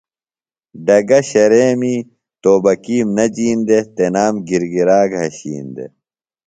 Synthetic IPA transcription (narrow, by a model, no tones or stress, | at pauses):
ɖɐɡɐɕɐɾeːmiː | t̪oːbɐkiːmnɐd͡ʑiːnd̪et̪enaːmɡiɾɡiɾaːɡɦɐɕḭːnd̪ḛ